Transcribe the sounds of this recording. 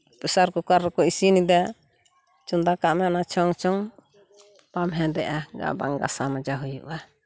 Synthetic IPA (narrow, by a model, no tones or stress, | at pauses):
pɛsaɾkɔkaɾːɛkɔisinid̪a | t͡ʃund̪akaʔmɛɔnat͡ʃʰɔŋt͡ʃɔŋ | pamɦɛ̃d̪ɛʔaɡa̰ba̰ŋɡa̰samad͡ʒaɦujṵʔa